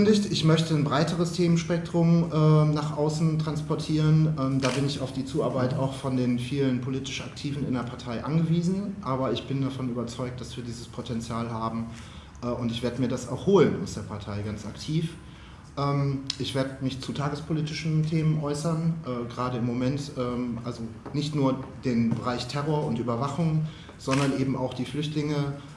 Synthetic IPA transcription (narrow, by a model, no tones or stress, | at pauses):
ndɪçtɪçmœçtənbʁaɪtəʁəstʰeːmənʃpɛk̚tʁ̥ʊmʔɛːnaχʔaʊsn̩tʁ̥anspɔɐtʰiːʁənʔɛːmdaːbɪnɪçaʊfd̥iːt͡suːaɐbaɪtaʊxfɔndeːnfiːlənpʰoliːtɪ̥ʃʔa̰ktʰiːvn̩ɪ̰ndeːɐpʰaɐtʰaɪʔanɡəviːzn̩ʔaːbɐɪçb̥ɪndafɔnyːbɐt͡sɔʏk̚t̚d̥asv̥iːɐdiːzəspʰotʰɛnt͡sjaːlɦaːbm̩ | ʔɛːʊntɪçv̥eːɐdəmiːɐdasa̰ʊxhoːlənʔa̰ʊsd̥eːɐpʰaɐtʰaɪɡant͡sa̰ktʰiːf | ʔɛːmʔɪçv̥eːɐdəmɪçt͡sutʰaːɡəspʰoliːtɪʃn̩tʰeːmənʔɔʏsɐnʔɛːɡəʁaːdəɪmːomɛntʔɛːmʔalzonɪçtnuːɐd̥eːnbəʁaɪçtʰɛʁoːɐʊntʔyːbɐvaχʊŋ | z̥ɔndɐnʔeːbm̩aʊxd̥iːflʏçtlɪŋə